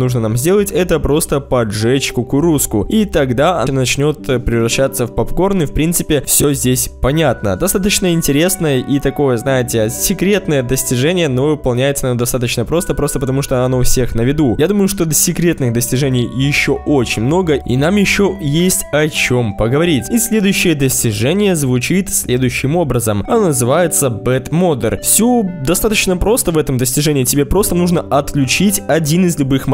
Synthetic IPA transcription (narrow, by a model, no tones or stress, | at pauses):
nuʐnənamzʲdʲe̞lˠətʲɛt̪əpɾo̞st̪əpɐʐɛt͡ɕkʊkʊɾuskʊit̪ɐɡd̪aɐnɐt͡ɕnʲo̞t̪pɾʲɪvɾɐɕːat̪sːəfpɐpko̞rnɨfpɾʲint̪sɨpʲɪfsʲozʲdʲesʲpɐnʲat̪nə̰d̪ɐst̪at̪ət͡ɕnəɪnʲtʲɪɾʲe̞snəjəʔit̪ɐko̞jəznajɪtʲɪsʲɪkɾʲe̞t̪nəjəd̪əsʲtʲɪʐɛnʲɪjəno̞vɨpɐlˠnʲæjɪt̪sənd̪ɐst̪at̪ət͡ɕnəpɾo̞st̪əpɾo̞st̪əpət̪ɐmuʂt̪oɐɐnofsʲe̞xnəvʲɪd̪ujad̪uməjʊʂt̪o̞d̪sʲɪkɾʲe̞t̪nɨxd̪əsʲtʲɪʐɛnʲɪjjɪɕːo̞ʔo̞t͡ɕɪnʲmno̞ɡəḭnamjɪɕːo̞jesʲtʲɐt͡ɕo̞mpəɡəvɐɾʲitʲisʲlʲe̞d̪ʊjʉɕːɪjəd̪əsʲtʲɪʐɛnʲɪjəzvʊt͡ɕit̪sʲlʲe̞d̪ʊjʉɕːɪmo̞bɾəzəmɐnonəzɨvajɪt̪səbɛt̪mo̞d̪ə̰rfsʲud̪ɐst̪at̪ət͡ɕnəpɾo̞st̪əvɛt̪əmd̪əsʲtʲɪʐɛnʲɪːtʲɪbʲepɾo̞st̪ənuʐnəʔɐt̪klʲʉt͡ɕitʲɐdʲinɨzlʲʊbɨx